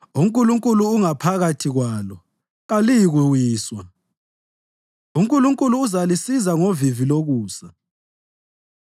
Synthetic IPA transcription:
uŋkʼuluŋkʼuluːŋapʰaɣatʰiɣwaːlɔ | ɣalijiɣuwiːswa | uŋkʼuluŋkʼuluːzalisizaŋoviviloɣuːsa

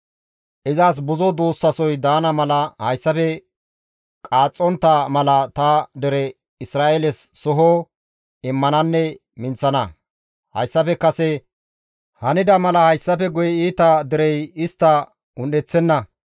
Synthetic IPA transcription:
ʔɪzaːs̬bʊzɔd̪uːsːɐsɔjd̪aːnɐmɐlɐhɐjsːɐpɛ | kʼaːt͡sʼːɔnt̪ːɐmɐlɐt̪ɐd̪ɪɾɛ | ɪsɾaːʔɛlɛsːɔɦo | ɪmːɐnɐnːɛ | mɪnt͡sːɐnɐ | hɐ̰jsːɐpɛkːɐsɛ | hɐnɪd̪ɐmɐlɐhɐjsːɐpɛɡʊjɛiːt̪ɐd̪ɪɾɛjɪst̪ːɐ | ʊnɗɛt͡sːɛnːɐ

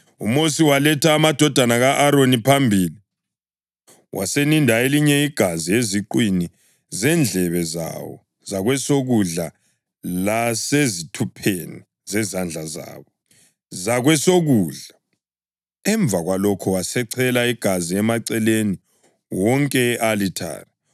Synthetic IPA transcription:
ṵmosiwalɛtʰaːmad̥ʱɔd̥ʱanaɣaʔaɾonipʰambʱiːli | wʔa̰senindʱaeliɲɛiɡ̥ʱazieziǃwini | zɛnd͡ɮʱɛβɛza̰wɔ̰ | zaɣwɛsoɣuɮa | lasezitʰupʰeni | zɛzand͡ɮʱaza̰ːβɔ | zaɣwɛsoɣuːɮa | ɛɱb̪vʱaɣwalɔkʰɔwasɛǀʰɛlaiɡ̥ʱaziɛmaǀɛleni | wɔŋkʼɛʔalitʰa̰ːra

